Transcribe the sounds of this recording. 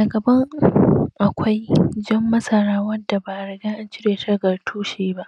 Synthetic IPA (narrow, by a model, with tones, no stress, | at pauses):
daː˨ɡɐ˨bɐ˦ŋʔa˨kʷʰa˦jd͡ʒɐ˦mːɐ˦sɐ˨ɽaː˦wɐ˦da˨baː˨ʔa˨ɽɐ˨ɡaː˦ʔa˦nt͡ʃɪ˦ɾeː˨tʰɐ˦ɡɐ˨rtʰuː˦ʃeː˦ba˦ʔ